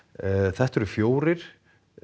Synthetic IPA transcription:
θɛht̪ɛɾʏfjoːwɾɪɾ̥

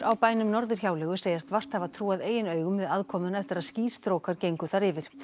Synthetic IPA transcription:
ɾawpaːjnʏmnɔɾðɪɾ̥çjaːwlɛːɣʏseːjast̪var̥t̪havat̪ʰɾuːaðeːjɪnœːɥɣʏmvɪðaðkʰɔːmʏnaɛft̪ɪɾaðsciːst̪ɾoːwkaɾ̥cejŋkʏθaɾɪvɪɾ̥

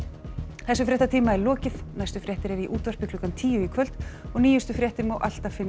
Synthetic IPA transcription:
θɛsːʏfɾɛht̪at̪ʰiːmaɛɾlɔːcɪθnajst̪ʏfɾɛːht̪ɪɾɛɾiʔuːt̪var̥pɪkʰlʏkant̪ʰiːjʏikʰvœl̥t̪ɔɣniːjʏst̪ʏfɾjɛːht̪ɪɾmaːwʔa̰l̥t̪afɪm

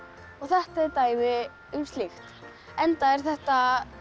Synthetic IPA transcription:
ɔɣθɛht̪ɛt̪aːjvɪ | ʏmst̪lixt̪ | ɛnt̪aɛɾ̥θɛht̪a

